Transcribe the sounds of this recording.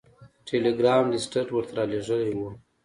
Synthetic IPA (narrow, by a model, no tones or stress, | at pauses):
ʈʰeleɡɾɑmɖɪsʈəʈwəɾt̪ʰaɾɑleʐəlewu